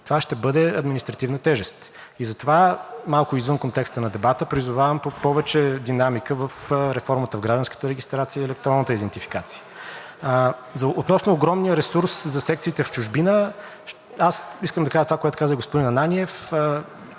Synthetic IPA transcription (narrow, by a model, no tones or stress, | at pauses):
t̪ovaʃt̪ɛbɤd̪ɛɐd̪minist̪ɾɐt̪ivnət̪ɛʒɛst̪ | izɐt̪ovamalˠkʊizvɤnkont̪ɛkst̪ənɐd̪ɛbat̪əpɾizʊvavəmpopɔvɛt͡ʃɛd̪inamikəvəfɾɛfɔɾmət̪əvɡɾaʒd̪ɐnskə̥t̪əɾɛɡist̪ɾat̪sijəiɛlɛk̚t̪oɾɔnːət̪əid̪ɛnt̪ifi̥kat̪siə | zɐot̪nɔsnoːɡɾɔmnijəɾɛsuɾszɐsɛk̚t̪siːt̪ɛft͡ʃʊʒbinə | ʃ | asiskəmd̪ɐkaʒət̪ovakoɛt̪ʊ̥kazəɡospʊd̪inɐnaniɛf